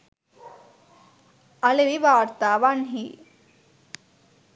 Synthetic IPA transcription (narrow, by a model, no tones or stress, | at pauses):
ɐleʋiʋaːɾt̪aːʋanɦi